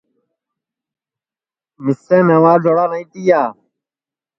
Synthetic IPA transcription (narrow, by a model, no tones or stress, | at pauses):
mɪsẽːnẽːʋãːd͡ʒʱoːɽaːnəĩːt̪iːjaː